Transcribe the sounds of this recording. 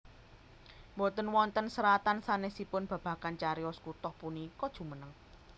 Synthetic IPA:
bɔt̪ənwɔnt̪ənsəɾat̪ansanesipʊnb̥a̤b̥a̤kant͡ʃaɾijɔskut̪ɔhpunikɔd̥ʒ̥ṳmənəŋ

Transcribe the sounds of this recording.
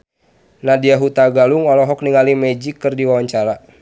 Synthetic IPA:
nadiaɦut̪aɡaluŋɔlɔɦɔk̚niŋalimɛd͡ʒikːɨrdiwawaɲt͡ʃaɾa

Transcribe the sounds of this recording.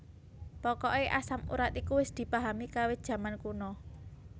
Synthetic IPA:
pɔkɔʔeʔasamṵɾat̪ikuwɪsd̪̥i̤paɦamikawɪd̥ʒ̥ä̤mankunɔ

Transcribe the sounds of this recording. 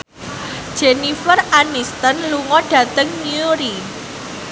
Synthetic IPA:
d̥ʒ̥enifəranist̪ənluŋɔɖ̥ä̤t̪əŋniuɾi

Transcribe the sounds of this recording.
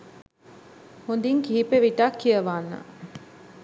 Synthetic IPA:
hund̪iŋkiɦipeʋiʈakːijɐʋaːnːɐ̰

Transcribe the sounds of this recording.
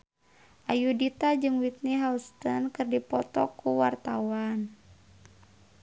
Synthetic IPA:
ʔajudit̪ad͡ʒɨŋwit̪̚niɦaust̪ənkɨrdipɔt̪ɔkuwart̪awan

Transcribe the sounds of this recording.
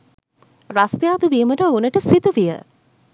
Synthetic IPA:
ɾast̪jaːd̪uʋiːməʈəunəʈəsit̪uʋijə̰

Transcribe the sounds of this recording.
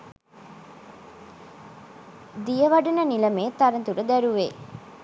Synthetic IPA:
d̪ijəʋɐɖunənilɐmeːt̪ːɐɾɐnt̪uɾəd̪æɾuʋeː

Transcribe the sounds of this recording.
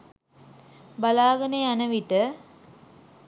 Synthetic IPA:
balaːɡɐneanəʋiʈə

